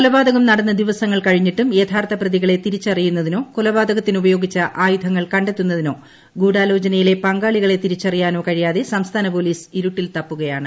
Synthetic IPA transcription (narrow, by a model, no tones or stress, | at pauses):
kkulɐbaːd̪ɐɣɐmnɐɽɐnːɐd̪iʋɐsɐŋːɐɭkɐɻiɲːiʈːumet̪ʰaːrt̪ɐprɐðiɣɐɭe̞t̪iɾit͡ɕːɐrijunːɐðino̞ːkulɐbaːd̪ɐɣɐt̪ːinubɐjo̞ːɡit͡ɕːɐʔaːjud̪ʱɐŋːɐɭkɐɳɖet̪ːunːɐðino̞ː | ɡuːɽaːlo̞ːd͡ʑɐnɐjile̞pɐŋɡaːɭiɣɐɭe̞t̪iɾit͡ɕːɐrijaːno̞ːkɐɻijaːðesɐmst̪ʰaːnɐpo̞ːliːsiɾuʈːilt̪ɐpːuɣɐjaːɳɨ